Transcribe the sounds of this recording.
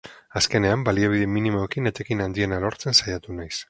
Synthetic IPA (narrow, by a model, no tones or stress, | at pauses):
aske̞ne̞ambaliaβ̞iðeminimoekinet̪ekinand̪ie̞nalo̞ɾt͡se̞nsajat̪unajs